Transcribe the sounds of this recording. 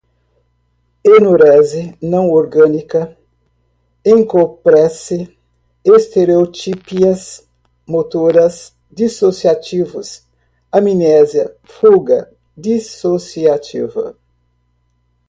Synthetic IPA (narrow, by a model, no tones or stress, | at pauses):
enoɾɛzɪnɐ̃w̃oɾɡɐ̃nikɐ | ẽŋkopɾɛsɪ | est̪eɾeot͡ʃipiɐs | mot̪oɾɐz | d̪isosiat͡ʃivʊ̰s | ɐminɛzjɐ | fuɡɐ | d̪isosiat͡ʃḭvɐ̰